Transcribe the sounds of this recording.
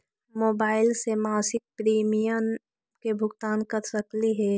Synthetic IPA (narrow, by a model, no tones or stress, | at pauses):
moːbaːɪlsemaːsɪk̚pɾiːmijən | kebʱʊɡt̪aːnkɐɾsɐkliɦɛː